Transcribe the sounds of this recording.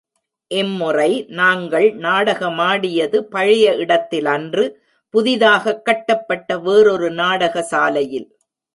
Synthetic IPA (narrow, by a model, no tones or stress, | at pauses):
ʔɛmːɯrɐɪnaːŋɡɐɭnaːɽɐɣɐmaːɽɪjɐðɯpɐɻɪjɐɪɽɐt̪ːɪlɐndrɯ | pʊðɪðaːɣɐkːɐʈːɐpːɐʈːɐʋeːɾɔɾɯnaːɽɐɣɐsaːlɐjɪl